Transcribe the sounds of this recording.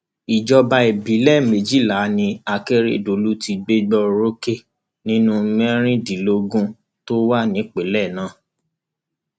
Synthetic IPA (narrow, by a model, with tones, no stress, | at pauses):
i˨d͡ʒɔ˧ba˧e˨bi˨˦lɛ˦˨me˨d͡ʒi˦la˨˦nĩ˧a˧ke˦ɾḛ˦˨do˨lu˦ti˧ɡ͡be˦ɡ͡bɔ˧ɾo˦ke˦˨ | nĩ˦nũ˦˧mɛ̃˦ɾ̃ĩ˦di˨lo˧ɡũ˦ | to˦wa˦nĩ˨˦k͡pe˨˦lɛ˦˨nãː˦˨